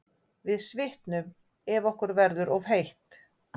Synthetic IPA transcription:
vɪðsvɪht̪nʏm | ɛvɔhkʏɾvɛɾðʏɾɔvhejht̪

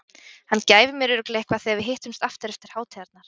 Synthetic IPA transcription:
hanːcaːjvɪmjɛɾʏːɾʏklehkvaðθeavɪðɦɪht̪ʏmst̪aft̪ɪɾɛft̪ɪɾ̥haːwt̪ʰɛaɾt̪naɾ̥

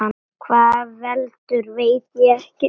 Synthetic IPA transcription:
an | kʰvaːðvɛlt̪ʏɾveːjt̪jɛɛhcɪ

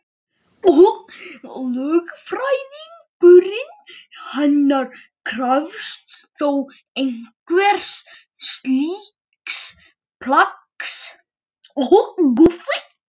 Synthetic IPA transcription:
ɔ | lœːɣfɾajðiŋpʏɾinhɛnːaɾ | kʰɾœvst̪θow | ejŋ̥kvɛɾ̥sː | t̪li | ks | pʰlaks | ɔɣɣʊvɪ

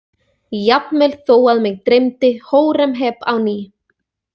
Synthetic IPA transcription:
jap̪mɛlθoːwaðmɪɣt̪ɾejmt̪ɪhoːwɾɛmɦɛːpawniː

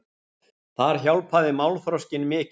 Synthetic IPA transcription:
θaɾ̥çawlpʰaːðɪmawlθɾawscɪnmɪːc

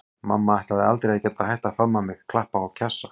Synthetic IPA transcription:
ma̰mːaajht̪aðɪalt̪ɾeacɛt̪ahajht̪afɾamːamɪɣkʰlahpaawcʰɛsːa

